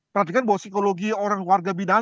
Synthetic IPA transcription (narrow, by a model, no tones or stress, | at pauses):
pərant̪ikanbawasikoloɡioɾaŋwarɡabida